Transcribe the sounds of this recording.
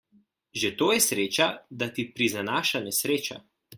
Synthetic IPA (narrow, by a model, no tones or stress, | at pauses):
ʒet̪oːjɛsɾeːt͡ʃad̪at̪ipɾizanaːʃanɛsɾeːt͡ʃa̰